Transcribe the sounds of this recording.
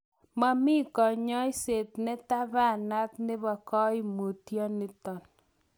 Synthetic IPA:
ma˦mɪ˦kɔ˨ɲɔ˦jse˨tnɛ˦ta˦βa˦˨na˦t̪nɪ˦βɔ˨kɔ˦i˦mu˨tjɔ˦nɪ˦tɔ˨n

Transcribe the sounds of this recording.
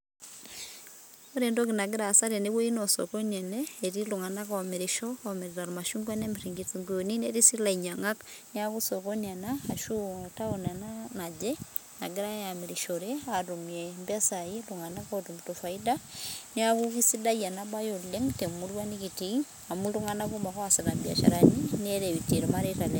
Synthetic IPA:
o˦ɾe˨ndɔ˦kina˨ɡi˦ɾa˨sa˦ɾɛ˨ne˦wɔ˦inɔ˨sɔ̰˨kɔ˦nɛ˨nɛːɾiluŋa˨na˦kaɔmeɾiʃɔ˦kaɔmeɾiɾa˨ɾuma˨ʃuŋɡa˦nɛ˦miɾiŋɡit͡siŋɡujoni˦nɛɾi˦si˦la˨iɲa˨ŋa˦knia˦ɣusɔkɔna˨naː˨ʃu˦˨ta˦o˨na˨nanad͡ʒɛ˦ | na˨ɡe˦ɾa˦ja˨meɾiʃɔɾɛaɾu˨mɛmba˦sai˦luŋa˨na˦kaotumutɔfa˨idani˦akukisi˦da˦ia˨naba˦jo˨leŋte˨mu˦ɾwanikitiŋ | amulu˦ŋana˦ku˦ma˨kɔ˦asana˨mbja̰˨ʃa̰˨ɾanini˦ɛ˦ɾe˨βite˨ɾoma˦ɾeta˨le

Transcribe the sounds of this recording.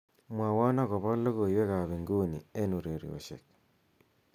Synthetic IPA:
mwa˨wa˦na˦˨ɣɔ˨βɔ˦lːo˦ɣo˨iwe˦ka˨βi˨ŋɡo˦˨ni˨e˦nu˨ɾe˨ɾḭ˨o̰˨ʃḛ˨k̚

